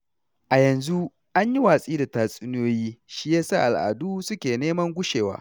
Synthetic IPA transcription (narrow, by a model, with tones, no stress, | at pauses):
ʔa˨jɐ˨nzu˦ | ʔa˦ɲji˦waː˨sʼiː˦da˨taː˨sʼɪ˦n˦oː˦jiː˦ʃi˦jaː˦sa̰˦˨ʔa˨lʔa̰ː˨duː˦sʊ˦kʲeː˨neː˦mɐ˦ŋɡʷʊ˦ʃeː˨wa̰ː˨˦